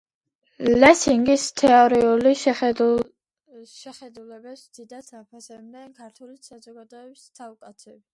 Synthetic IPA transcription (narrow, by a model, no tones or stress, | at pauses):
lɛsiŋɡist̪ʰɛɔɾiuliʃ | ʃɛχɛd̪ulɛbɛpsd̪̥id̪at̪ʰapʰasɛbnɛnkʰaɾt̪ʰwɛlisazɔɡad̪ɔɛbist̪ʰafkʼat̪sʰɛbi